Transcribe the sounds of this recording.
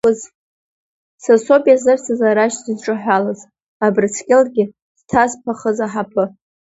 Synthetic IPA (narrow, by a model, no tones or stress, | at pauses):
ʊz | saso̞bʼijazɨrsazaɾaʃzɨzʈ͡ʂʼɨħᶣʷalaz | abrɨt͡sʰkʲʼɪlɡʲɪ | d̥tʰazpʰaχəzaħapʰɨ